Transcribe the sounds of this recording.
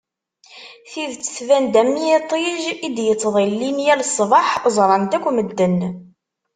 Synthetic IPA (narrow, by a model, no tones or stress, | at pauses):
θiðt͡sːə̥θvænd̪æmːijet̪ˤiʒid̪jət͡sːðˤilːinjælsˤːvɑħəzˤɾˤɑnd̪ækʷːməd̪ːən